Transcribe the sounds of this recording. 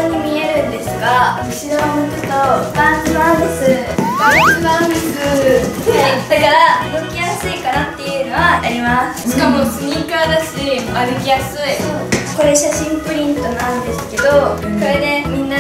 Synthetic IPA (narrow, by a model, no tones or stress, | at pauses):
oɲ̟imʲie̞ɾɯ̟̃nd̪e̞sɨɡaɯ̟t͡ɕinoβamotot̪ːobãsɨbãnd̪esɨbãsɨbãnd̪essɨ | d̪akaɾanɯkʲijasɨikanat̪ːe̞jɯ̟ːno̞βaʔaɾʲimasɨ̥ɕikamo̞t͡sɨɲʲĩkaad̪aɕimaɾɯkʲijasɨiko̞ɾe̞ɕaɕĩmpɯ̟ɾʲĩnt̪o̞nãnd̪e̞sɨ̥ke̞d̪o̞ko̞ɾe̞ne̞mʲĩnːa